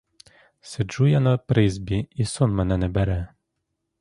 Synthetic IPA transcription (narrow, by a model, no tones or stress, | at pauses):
sed͡ʒujanɐpɾɪzʲbʲiisɔnmɛnɛnɛbɛɾɛ